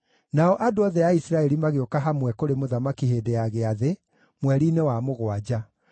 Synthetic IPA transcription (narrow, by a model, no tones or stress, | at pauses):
naɔʔadoɔðɛaisiɾaɛɾimaɣeɔkaɦamwɛkoɾemoðamakiɦeːdeaɣeaðe | mwɛɾiːnewamoɣwad͡ʑa